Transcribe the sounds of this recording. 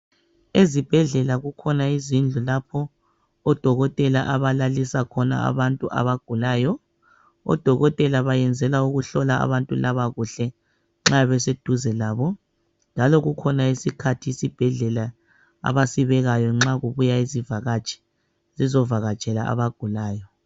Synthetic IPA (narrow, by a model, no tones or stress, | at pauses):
ezib̥ʱɛɮɛlaɣukʰɔnaizind͡ɮʱulapʰɔː | d̥ʱɔɣɔtʼɛlaʔaβalalisakʰɔna̰a̰βantʼuʔa̰βaɡ̥ʱulaːjɔ | ɔ̰d̥ʱɔɣɔtʼɛlaβajɛnd͡zʱɛlauɣuɬɔlaa̰βantʼulaβaɣuɬɛ | ŋ͡ǁaβɛsed̥ʱuzɛlaːβɔ | nd͡ʒʱalɔɣukʰɔnaisikʰatʰiːsib̥ʱɛɮɛla | a̰βasiβɛɣajɔŋ͡ǁaɣuβujaizivaɣat͡ʃʰʼɛ̥ | zizɔvaɣat͡ʃʼɛla̰a̰βaɡ̥ʱulaːjɔ